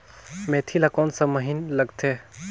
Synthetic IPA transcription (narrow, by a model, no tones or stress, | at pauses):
met̪ʰilakɔːnsəməɦinləɡt̪ʰe